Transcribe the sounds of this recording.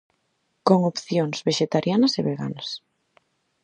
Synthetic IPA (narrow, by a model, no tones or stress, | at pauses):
koŋopθjoŋz̥βeʃet̪aɾjanɐseβeɣa̰nɐs